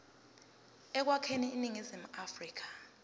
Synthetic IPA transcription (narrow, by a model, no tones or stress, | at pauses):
ɛk̬wakʰeniːniŋizim̩afriːk̬ḁ